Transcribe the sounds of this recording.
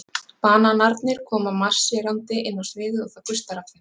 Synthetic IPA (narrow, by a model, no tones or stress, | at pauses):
paːnanaɾt̪nɪɾ̥kʰɔːmamar̥sjɛɾant̪ɪʔɪnːawsvɪːðʏɔθawkʏst̪aɾafɪ